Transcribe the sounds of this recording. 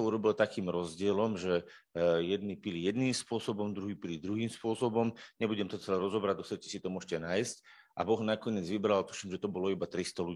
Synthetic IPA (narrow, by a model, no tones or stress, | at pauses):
uɾɔbilt̪akiːmɾɔzɟɪɛlɔmʒɛ | jɛd̪nipilijɛd̪niːmspʊɔsɔbɔmd̪ɾuɦiːpilid̪ɾuɦiːmspʊɔsɔbɔmɲɛbuɟɛmt̪ɔt͡sɛlɛɾɔzɔbɾad̪ɔsɛcɛ̥sit̪ɔmʊɔʃcɛnaːjsc | ʔa̰bɔɣnakɔɲɪɛd͡zʋibɾalt̪u̥ʃimʒɛt̪ɔbɔlɔibat̪ɾist̪ɔluɟi